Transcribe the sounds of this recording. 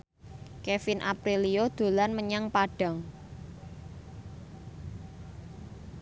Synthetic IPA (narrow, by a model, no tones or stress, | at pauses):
kefɪnʔa̰pɾiliod̪̥o̤lanməɲaŋpaɖ̥ä̤ŋ